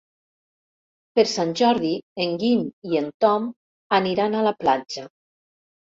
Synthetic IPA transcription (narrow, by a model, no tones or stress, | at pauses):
pəɾsanʲʒɔɾðieŋɡimient̪ɔm | aniɾanalaplad͡ʒa